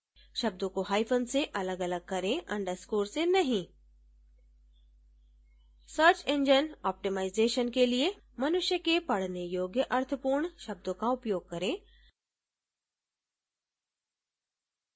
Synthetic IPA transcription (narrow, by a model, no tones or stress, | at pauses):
ʃɐb̚d̪õkoɦaːɪfʰənseʔɐləɡɐləɡ̚kɐɾẽɐ̃ɳɖəɾskoːɾsenɐɦĩ | səɾt͡ʃẽɲd͡ʒənɔːp̚ʈimaːɪzeːʃənkelie | mɐnʊʃjəkepɐɽ̤nejoːɡjəʔɐɾt̪ʰəpuːɾɳʃɐb̚d̪õkaʊpjoːɡ̚kɐɾẽː